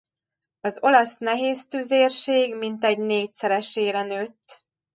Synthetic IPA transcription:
ɒzo̞lɒsnɛɦeːst̪yzeːrʃeːɡmint̪ɛɟneːcsɛɾɛʃeːɾɛnøːt̪ː

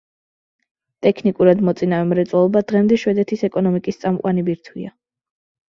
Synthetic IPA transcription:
t̪ʼɛkʰnikʼuɾad̪mɔt̪sʼinavɛmɾɛt̪sʼwalˠɔbad̪ʁɛmd̪ɛʃwɛd̪ɛt̪ʰisɛkʼɔnɔmikʼist̪sʼamqʼwanibiɾt̪ʰwḭa

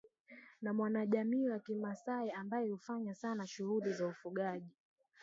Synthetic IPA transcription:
namwanaʄamiːwakimasaɛambajɛhufaɲasanaʃuhulizaufuɠaʄi

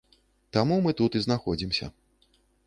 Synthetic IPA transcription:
t̪amumɨt̪ut̪iznaxɔd͡zʲimsʲɐ̰

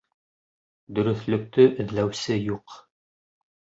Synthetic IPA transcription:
d̪ɵ̆ɾɵ̆θlɵ̆k̚t̪ɵʔɵ̆ðlæwsɘjuq

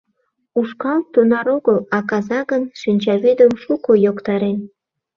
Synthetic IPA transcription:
uʃkɑlt̪ːunɑɾoɣəlɑkɑzɑɣənʃinʲt͡ɕɑβyd̪əmʃukujokt̪ɑɾen

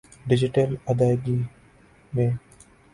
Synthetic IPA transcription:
ɖɪd͡ʒɪʈəlɐd̪aːɡi | mẽː

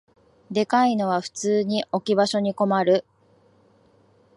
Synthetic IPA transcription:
d̪e̞kaino̞β̞aɸɯ̟̥t͡sɨːɲ̟iʔo̞kʲibaɕo̞ɲ̟iko̞maɾɯ̟

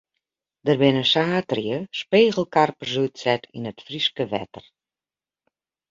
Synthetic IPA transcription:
dərbɪnəsaːtrjəspeːɣəl̩ˠkarpərsytsɛtʰinətfriskəʋɛ̰tər

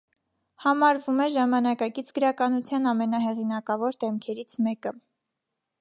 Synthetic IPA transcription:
hɑmɑɾvumɛʒɑmɑnɑkɑkit͡sʰɡəɾɑkɑnut͡sʰjɑnɑmɛnɑɦɛʁinɑkɑvɔɾd̪ɛmkʰɛɾit͡sʰmɛkə

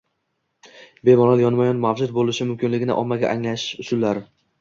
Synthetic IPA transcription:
bemɒnaljɒnmajɒnmavd͡ʒʊd̪̚bolɪʃɪmʊmkʲɪnlɪɡʲɪnɪʔɒmːaɡʲa̰ʔaŋlaʃɪʊʃʊllːaɾɪ

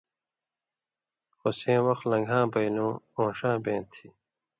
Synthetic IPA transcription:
xosẽːwɐxlɐ̃ŋɡʱãːbɐjlõːõːʂãːbẽːt̪ʰi

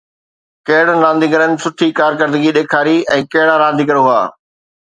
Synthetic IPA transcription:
kɐɦɪɽnãːnd̪iɡɐɾənɪ̆sʊʈʰikaːɾkəɾd̪əɡiɗeːkʰaːɾiɛ̃ːkɐɦɪɽaɾãːnd̪ʱiːkɐɽoɦʊa̰ː

